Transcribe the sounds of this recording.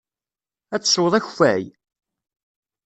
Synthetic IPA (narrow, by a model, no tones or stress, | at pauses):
æt͡sːswʊðˤæçfæ̰j